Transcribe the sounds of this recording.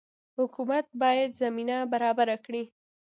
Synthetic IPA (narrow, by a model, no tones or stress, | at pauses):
hʊkumat̪̚bɑjad̪zaminabaɾɑbaɾakɽi